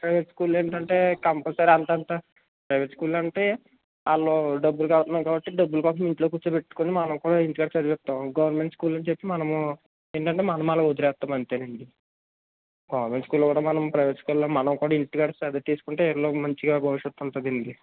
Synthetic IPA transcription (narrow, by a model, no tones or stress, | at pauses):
pɾɐjʋeʈskuːleːɳʈɐɳʈe̞ːkɐmpɐsaːɾɐnt̪ɐnt̪a | pɾɐjʋeʈskuːlɐɳʈe̞ː | aːɭːo̞ːɖɐbːulukalt̪ɐnːaːkaːbɐʈːiɖɐbːulukaːs̬ɐmiɳʈloːkuːt͡ʃːɐpe̞ʈːu̥konimɐnɐmkuːɽaːiɳʈiɡaːɽsɐɾpɛt̪ːaːmɡɐʋɐɾnme̞ɳʈskuːlɐnt͡ʃepːimɐnɐmu | eːɳʈɐɳʈe̞ːmɐnɐmalakod̪iɾɛːt̪ːaːmɐnt̪eːneɳɖ̪i | ɡɐʋɐɾme̞ɳʈskuːlkuːɽaːmɐnɐmpɾɐjʋeʈskuːlomɐnɐmkuːɽaːiɳʈiɡaːɽɐɛd̪ɐt̪iːsu̥kuɳʈeɛɾloːmɐɲt͡ʃiɡaːbʱɐʋiʂjɐt̪ːunt̪ɐd̪ind̪i